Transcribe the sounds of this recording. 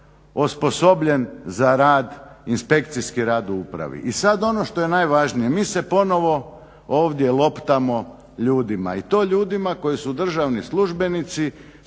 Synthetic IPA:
ospo̞so̞bʎe̞nzaɾaːd̪inspe̞kt̪sijskiɾaːd̪uupɾa̰ʋḭʔisad̪o̞no̞ʃt̪o̞je̞najʋaʒnijemiːsepo̞no̞ʋo̞ | oːʋd̪je̞lˠo̞pt̪amo̞ | ʎuːd̪ima̰it̪o̞ːʎuːd̪imako̞jisud̪r̩ʒaʋnislˠuʒbe̞nit̪si

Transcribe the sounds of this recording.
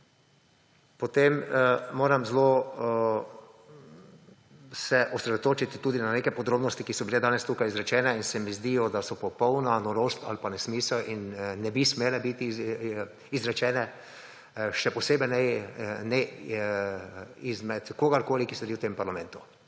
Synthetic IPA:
pɔt̪emmoːɾamzlo | sɛʔɔsɾɛd̪ot̪oːt͡ʃit̪t̪uːd̪inaneːkɛpɔd̪ɾoːbnɔst̪ikisɔbilɛd̪aːnɛst̪uːkajizɾɛt͡ʃɛːnɛinsɛmizd̪iːjɔd̪asɔpɔpɔwnanɔɾoːst̪a̰lpanɛsmiːsəlʔinːɛbismeːlɛbit̪i | izɾɛt͡ʃɛːnɛ | ʃɛpɔseːbɛnɛnɛ | izmɛt̪koːɡaɾkoːlikisɛɾiwt̪empaɾlamɛ̃ːnt̪u̥

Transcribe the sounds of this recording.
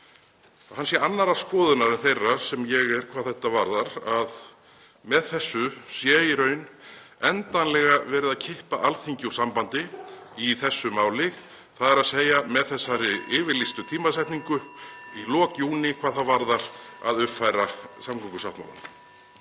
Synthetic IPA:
hanːsjɛanːaɾaɾskɔːðʏnaɾʏnθejrːaɾ̥sɛmjɛɣɛɾkʰvaːðθɛht̪avaɾðaɾað | mɛðθɛsːʏsjɛːjɪɾœɥnɛnt̪anlɛɣavɛːɾɪðaðcʰɪhpaʔalθiɲcuɾ̥sampant̪ɪiθɛsːʏmaːwlɪɣ | θaðɛɾaðseːjamɛðθɛsːaɾɪɪːvɪɾlist̪ʏt̪ʰiːmaðsajt̪niŋkʏilɔːcjuːnɪkʰvaːðθaðvaɾðaɾ̥a̰ðʏpfajɾasamkʰɔŋkʏsaht̪ma̰wla̰n

